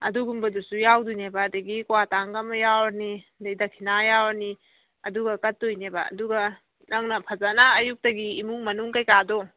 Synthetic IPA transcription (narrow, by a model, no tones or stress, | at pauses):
ɐduɡumbɐdusujawdujnebadɐɡikwataŋɡɐmɐjawaɾnidajdakʰinajawaɾni | ɐduɡɐkɐt̚ːujneba̰ɐ̰duɡɐ | nɐŋnɐpʰɐzanaːjuk̚tɐɡiːmuŋmɐnuŋkajkado